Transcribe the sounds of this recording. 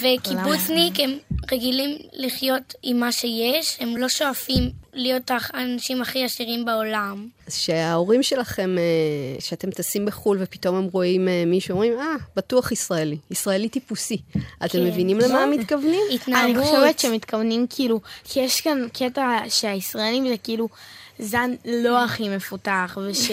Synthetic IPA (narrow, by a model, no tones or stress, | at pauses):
vekibut͡snikhemʁeɡilimliχjo̞timːaʃe̞jeʃhe̞mlo̞ʃo̞afimlijotaχanaʃimaχiaʃiʁimbeo̞lamazʃeao̞ʁimʃe̞laχe̞meʃeate̞mt̪asimbeχulvepito̞me̞mʁo̞imemiʃuomʁimab̥atuaχisʁaeliːsʁaelit̪ipusiatemːevinimlemamitkavnimit̪naniʃevetʃeemit̪kavnimkʰilukʰijeʃkankʰetaʃeaisʁaelimzekiiluzanlo̞aχime̞futaχveʃ